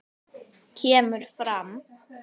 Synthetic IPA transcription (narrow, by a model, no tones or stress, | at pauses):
cʰɛːmʏɾ̥fɾam